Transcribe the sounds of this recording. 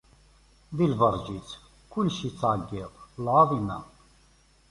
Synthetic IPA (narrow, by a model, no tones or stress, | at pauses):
d̪ilvaɾd͡ʒit͡sʰ | kʰulʃit͡sʰʼaːɡɛqlaːðina̰